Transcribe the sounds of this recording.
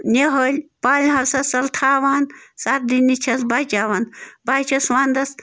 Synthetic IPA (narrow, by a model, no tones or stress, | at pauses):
nʲeɦəlʲpaːlʲɦɐɾsɐsɐlt̪ʰaːʋaːnsat̪̚d̪inːit͡ʃʰɐsbat͡ʃaːʋanbaːt͡ʃʰɐsʋaːnd̪ɐs